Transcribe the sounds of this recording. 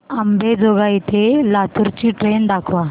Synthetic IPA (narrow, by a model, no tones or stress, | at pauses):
əmbed͡zoɡait̪ʰelat̪uɾt͡ɕiːʈɾend̪akʰʋa